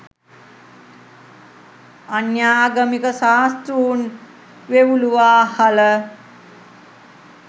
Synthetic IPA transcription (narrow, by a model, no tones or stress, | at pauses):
anjaːɡəmikəsaːst̪ɾuːn | ʋeʋuluʋaːhalə